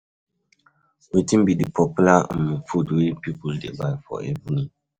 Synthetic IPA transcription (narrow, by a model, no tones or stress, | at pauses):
wetĩmbidɨpɔpulamufudwepipuldḛbajfɔ̰ɛ̰vuni